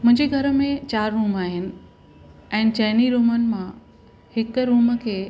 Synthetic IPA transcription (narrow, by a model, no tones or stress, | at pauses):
mʊ̃ɦɪ̃ɲd͡ʑeɡʱɐɾəmẽt͡ɕaːɾːuːmaːɦɪnɪ̆ | ɛ̃ːnɪ̆t͡ɕɐːniɾuːmənɪ̆mã | hɪkɾuːmkʰeː